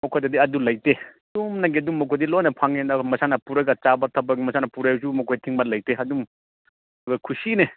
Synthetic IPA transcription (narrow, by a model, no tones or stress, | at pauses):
mɔkʰojdɐdiɐdulɐjtedumnaɡiɐdumːɔkʰojdilojnɐpʰaŋendɐmɐsanɐpuɾɐɡɐt͡ʃabɐtʰɐbɐɡimɐsanɐpuɾajsumɔkʰojtʰiŋmɐt̚lɐjteɐdum | ɡɐkʰusine